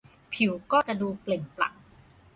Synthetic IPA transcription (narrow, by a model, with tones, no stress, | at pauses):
pʰi˨˩˦wkɔː˥˩t͡ɕa˨˩duː˧ple˨˩ŋpla̰˨˩k̚